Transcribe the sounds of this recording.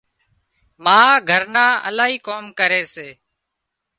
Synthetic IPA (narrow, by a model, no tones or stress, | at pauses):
mãːɡʱəɾnãːʔə̰laːɦiːkoːmkəɾeːseː